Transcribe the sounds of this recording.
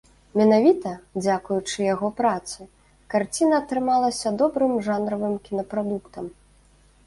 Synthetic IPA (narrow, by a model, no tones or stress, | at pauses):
mʲɛnavʲit̪ɐd͡zʲakujut͡ʂɨjaɣɔpɾat̪sɨ | kart͡sʲinɐːt̪ɾɨmalˠɐsʲɐd̪ɔbɾɨmʐanɾɐvɨmkʲinɐpɾad̪ukt̪ɐm